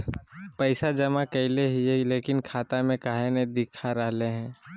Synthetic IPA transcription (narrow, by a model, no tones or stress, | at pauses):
pɐɪsad͡ʒɐmakɐɪleɦieleːkɪnkʰaːt̪amẽkaːɦenẽd̪ɪkʰaɾəɦleɦɛ̃ː